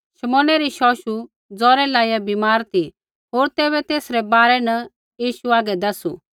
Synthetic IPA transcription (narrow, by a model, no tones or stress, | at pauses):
ʃɐmɔ̃ːnɛɾiʃɔːʃu | d͡zɔːɾɛlaːijabimaːɾt̪ʰi | ɦoːɾt̪eːβɛt̪eːsɾɛbaːɾɛnɐ | jiːʃuaːɡɛd̪ɐsṵ